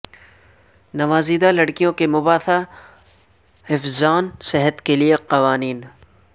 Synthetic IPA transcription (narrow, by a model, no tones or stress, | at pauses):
nɐʋaːziːd̪alɐɽkijõkemʊbaːt̪a | hɪfzaːnsɪɦət̪kelieqɐʋaːniːn